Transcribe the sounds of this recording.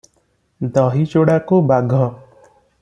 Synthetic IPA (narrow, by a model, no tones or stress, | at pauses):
d̪ɔːɦit͡ʃoɽakobaɡʱɔ